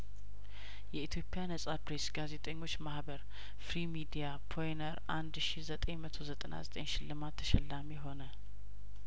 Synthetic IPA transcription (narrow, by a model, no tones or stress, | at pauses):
jɛit̪ʰjo̞pʼːianəsʼapɾesɡaze̞t̪ʼəɲːo̞t͡ʃːmahbəɾ | fɾimid̪ijapʰojnəɾʔand̪ʃizət̪ʼeɲmət̪ʰo̞zət̪ʼəna̰zət̪ʼenʃɪlːɨmat̪ʰːə̥ʃɛlːameɦo̞nə